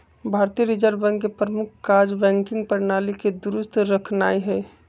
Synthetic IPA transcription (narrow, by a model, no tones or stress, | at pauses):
bʱaːɾt̪iəɾid͡ʒəɾbɛ̃ŋɡkepɾəmʊkʰkaɾd͡ʒbɛ̃ːŋkɪ̃ŋɡ̚pəɾnaːliked̪uɾʊst̪ʰɾəkʰnaːiɦɛː